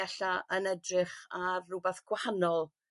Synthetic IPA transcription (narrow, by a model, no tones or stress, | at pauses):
aɬaʔənɛdrɪχarːʊbɛθɡ̥wahanɔlˠ